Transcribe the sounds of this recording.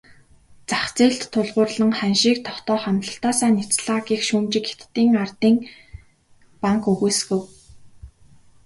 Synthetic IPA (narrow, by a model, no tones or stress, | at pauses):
t͡saχt͡siːɬt̪ʰːʊɮʁʊːrɮə̆ŋχænʃiːk̚t̪ʰɔχt̪ɔːχamt̪ɮə̆ɬt̪aːsaːnit͡sɮaːɣiːxʃuːmt͡ɕɪ̆ke̥t̪ːiːŋart̪iːŋ | paŋkɵɣuːsɣɘ̆w